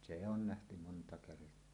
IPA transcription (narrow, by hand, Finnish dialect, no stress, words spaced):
se on næhty montɑ kertˑoɑ